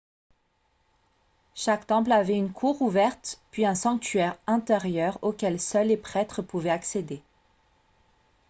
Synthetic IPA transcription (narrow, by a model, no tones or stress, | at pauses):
ʃakt̪ɑ̃plavɛynkʰuʁuvɛʁt̪pɥiɛ̃sɑ̃k̚t̪ɥɛʁɛ̃t̪eʁjœʁokʲɛlsœlːepχɛt̪χəpuvɛaksed̪e